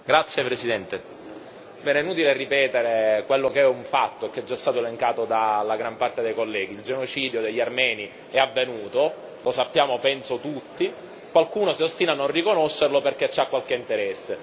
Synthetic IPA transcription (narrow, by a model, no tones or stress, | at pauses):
ɡɾat̪sːjepɾesid̪ɛnt̪e | bɛːnɛnːuːt̪̬ilerːipɛːt̪eɾekwelːokeɛuɱfat̪ːoekːeɛd͡ʒːaɛst̪aːt̪oeleŋkaːt̪od̪alaɡɾampart̪ed̪ejkolːɛːɡ̟ild͡ʒenot͡ʃiːd̪jod̪eʎːarmɛːni | ɛavːenuːt̪o | losapːjaːmopɛnsot̪ut̪ːi | kwalkuːnosiost̪iːnanːõnrikonoʃːerloperket͡ʃːiakːwalkeint̪eɾɛsːe